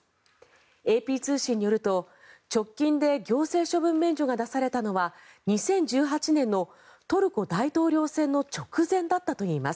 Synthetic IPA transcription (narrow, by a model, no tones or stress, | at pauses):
e̞ːpʲiːt͡sɨːɕĩɲ̟ːijo̞ɾɯ̟t̪o̞ | t͡ɕo̞kʲːĩnd̪e̞ɡʲo̞ːse̞ːɕo̞bɯ̟̃mːẽ̞ɲd͡ʑo̞ɡad̪asaɾe̞t̪ano̞βaɲ̟isẽ̞ɲ̟d͡ʑɨːɦat͡ɕinẽ̞nːo̞ | t̪o̞ɾɯ̟ko̞d̪ait̪o̞ːɾʲo̞ːsẽ̞nːo̞t͡ɕo̞kɯ̟zẽ̞nd̪at̪ːat̪o̞iːmas